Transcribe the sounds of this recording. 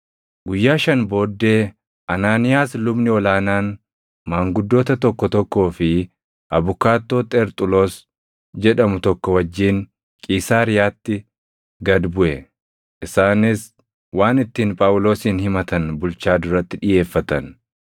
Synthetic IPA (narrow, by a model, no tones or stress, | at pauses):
ɡʊjːaːʃɐnbo̞ːd̪ːe̞ː | ʔɐnaːnɪjaːslʊbnɪɔlaːnaːn | maːŋɡʊd̪ːo̞ːt̪ɐt̪ɔkːɔt̪ɔkːo̞ːfɪ | ʔɐbʊkaːt̪ːo̞ːt̪ʼɛɾt̪ʼʊlo̞ːs | d͡ʒɛᶑɐmʊt̪ɔkːɔwɐd͡ʒːiːn | kʼiːsaːɾɪjaːt̪ːɪ | ɡɐd̪bʊʔɛ | ʔɪsaːnɪs | waːnɪt̪ːiːnpʼaːwʊlo̞ːsiːnhɪmɐt̪ɐnbʊlt͡ʃaːd̪ʊɾɐt̪ːɪᶑɪje̞ːfːɐt̪ɐn